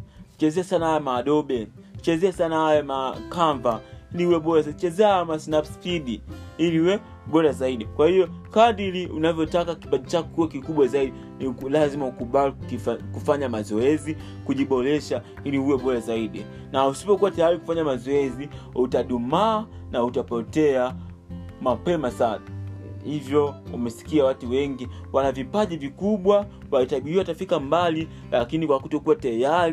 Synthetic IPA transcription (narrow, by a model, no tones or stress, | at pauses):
t͡ʃɛzɛasanahajamaːɗɔɓɛ | t͡ʃɛzɛasanahajamakaɱvailiuwɛɓɔɾasat͡ʃɛzɛahajamasnapspiɗiiliuwɛ | ɓɔɾazaiɗikwahijɔkaɗiliunavjɔtakaki̥paɗit͡ʃakuwɛkikuɓwazaiɗi | niklazimaukuɓalkfkufaɲamazɔɛzi | kuʄiɓɔɾɛʃa | ilihujɛɓɔɾazaiɗi | nausi̥pɔkuwatajaɾiku̥faɲamazɔɛziutaɗumaːnautapɔtɛa | mapɛmasa | hivjɔumɛsi̥kiawatuwɛŋɡiwanavipaʄivikuɓwa | waitaɓiiwatafikambali | lakinikwakutɔkuwatajaɾ